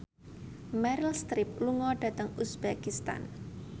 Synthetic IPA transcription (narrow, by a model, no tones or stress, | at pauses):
mɛɾilst̪ɾɪp̚luŋɔɖ̥ä̤t̪əŋusbakist̪a̰n